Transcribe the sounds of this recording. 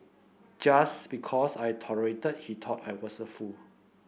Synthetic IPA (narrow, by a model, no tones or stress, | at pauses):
d͡ʒasbikʰɔsajtʰɔɹəɹetət̚hitʰɔtajwɔsəfu